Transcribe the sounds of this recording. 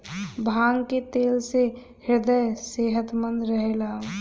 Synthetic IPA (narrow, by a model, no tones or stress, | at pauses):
bʱaːŋɡket̪eːlse | hɪɾd̪əjseːɦət̪mə̃nd̪ɾəɦelaːo